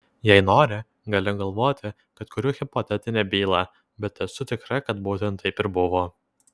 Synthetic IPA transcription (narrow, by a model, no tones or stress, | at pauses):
jɛɪnoːɾʲɪ | ɡɐlʲɪɡɐlˠʋoːt̪ʲɪ | kɐt̪kʊɾʲʊːɣʲɪpɔt̪ʲɛt̪ʲɪnʲɛːbʲiːlˠɑː | bʲɛt̪ʲɛsʊt̪ʲɪkɾɐkɐt̪buːt̪ʲɛnt̪ʰːɐɪpɪɾbʊʋoː